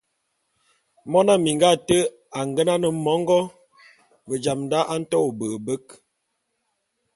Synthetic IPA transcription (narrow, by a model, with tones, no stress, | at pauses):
mɔ˦na˦mi˨ŋɡa˦˨tə˦ | a˨ŋɡə˦na˦nə˨˦mɔ˨˦ŋ˦ɡɔ˦ | bə˨d͡ʒa˨mnda˦ʔa˦n̩˦tɔ˦o˨bə˨bə˦k